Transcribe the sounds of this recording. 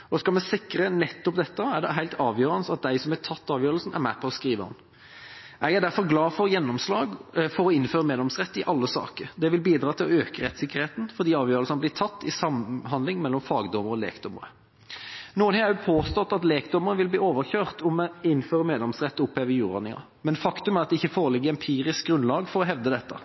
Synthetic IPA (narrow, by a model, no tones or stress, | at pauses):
ɔskɑlmɛsɪkɾənɛt̪ːɔpd̪ɛt̪ːəæʁɖ̪ɛɦæɪlt̪ʰɑːʋjøːɾənəsɑt̪̚d̪æɪsɔmæt̪ʰɑt̪ːɑːʋjøːɾəlsn̩ʔæ̰ɾmæpʰɔɔskɾiːʋəhɑ̰n | ʔɛɡæɖ̪æɾfɔʁɡlɑːfɔʁjɛnːɔmslɑːɡfɔɾɔɪnføːɾəmeːd̪lɛmsʁɛt̪ːɪʔɑlːəsɑ̰ːkəɾd̪ɛʋɪlbiːd̪ɾɑːt̪ʰɪlɔøːkəɾɛt̪sɪkːəʁheːt̪n̩fɔɾd̪iːɑːʋjøːɾəlsnblɪːt̪ʰɑt̪ːɪsɑmhɑnd̪lɪŋmɛlːɔmfɑːɡd̪ɔməɾɔlḛːkd̪ɔməɾə | nuːənhɛʉpʰoːst̪ɔt̪ːɑt̪leːkd̪ɔməʁəʋɪlbliːoːʋəɾçøːʁt̪ʰɔmɪnføːɾəmeːd̪lɛmsʁɛt̪ːʊpheːʋəjuːɾɑ̰nɪŋɑ̰ | mɛnfɑkt̪ʉmæɾʁɑt̪d̪ɛɪçːəfoːʁəlɪɡːəɛnpʰiːʁɪsk̚ɡʁʉnlɑːɡfɔʁɔɦɛʋd̪əd̪ɛt̪ːə̰